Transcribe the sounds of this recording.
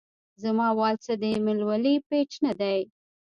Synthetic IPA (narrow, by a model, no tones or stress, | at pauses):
zamɑwɑlt͡sad̪əmɪlwalipet͡ʃnad̪aj